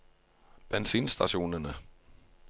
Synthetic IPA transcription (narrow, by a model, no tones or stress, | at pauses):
b̥ensḭːnsd̥æɕo̝̰ːnɐnə